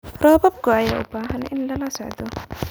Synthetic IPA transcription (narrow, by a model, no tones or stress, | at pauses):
rɔːbɐb̚kʊaja̰ːʔʊbaːɦɐnʔɪ̰nlɐlɐsɔʕd̪ɔ